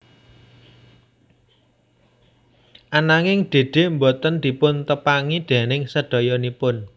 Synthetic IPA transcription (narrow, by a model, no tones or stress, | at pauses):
ʔanaŋɪŋɖ̪̥e̤ɖ̪̥e̤mbɔt̪ənd̪̥i̤pʊnt̪əpaŋid̪̥e̤nɪŋsəɖ̥ɔ̤jɔnipʊn